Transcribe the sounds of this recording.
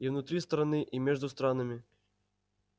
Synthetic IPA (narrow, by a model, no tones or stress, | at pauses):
iwnut̪ɾʲist̪ɐɾanɨʔimʲɛʐd̪ust̪ɾanɐmʲi